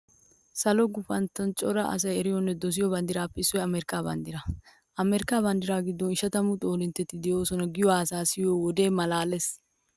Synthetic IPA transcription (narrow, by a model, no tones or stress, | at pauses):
sɐlɔɡʊfɐnt̪ːɐnt͡ʃʼɔɾɐʔɐ̰s̬ɐjɛɾɪjɔnːɛd̪ɔs̬ɪjɔbɐnd̪ɪɾaːpːɛɪsːɔɛɐmeɾɪkːaːbɐ̰nd̪ɪɾɐ | ʔɐmeɾɪkːaːβɐnd̪ɪɾaːɡɪd̪ːɔnɪʃɐt̪ɐmʊt̪ʼo̞ːlɪnt̪ːɛt̪ːɪd̪ɛjo̞ːsɔnɐɡɪjɔwaːsaːsɪjoːwɔd̪e̞ːmɐlaːlɛs